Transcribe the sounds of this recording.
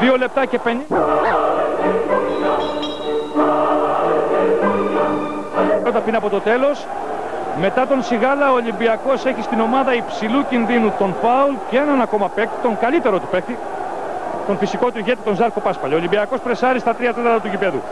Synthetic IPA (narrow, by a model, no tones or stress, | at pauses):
ðio̞le̞p̚t̪ɐce̞pen | ot̪ɐpinɐpo̞t̪o̞t̪e̞lo̞s | me̞t̪ɐt̪o̞nsiɣɐlɐoːlimbiɐko̞se̞çist̪ino̞mɐðɐipsilucinðinut̪o̞nfɐulceenɐnɐko̞mɐpekt̪i̥t̪o̞ŋɡɐʎit̪e̞ɾo̞t̪u̥pe̞kt̪i | t̪o̞nfisiko̞t̪uiʝe̞t̪it̪o̞nzɐɾko̞pɐspɐʎeolimbiɐko̞spɾesɐɾist̪ɐt̪ɾiɐt̪et̪ɐɾɐt̪ucipe̞ðṵ